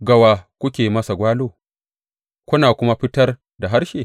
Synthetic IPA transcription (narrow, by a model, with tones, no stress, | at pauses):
ɡɐ˨waː˨kʷʊ˦kʲeː˨mɐ˦sa˨ɡʷaː˦loː˦ | kʷʊ˦naː˨kʷʊ˦ma˦ɸɪ˦tɐ˦r | da˨ɦa˦rʃeː˨